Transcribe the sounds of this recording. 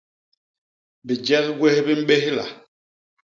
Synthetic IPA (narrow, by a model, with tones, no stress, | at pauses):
bi˨d͡ʒɛ˦ɣɡwe˦hbi˦m̩˦ɓe˦hla̰˨